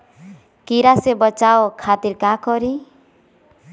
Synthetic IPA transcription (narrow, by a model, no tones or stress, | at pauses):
kiɾasebʌt͡ʃawokʰat̪iɾkakɔɾi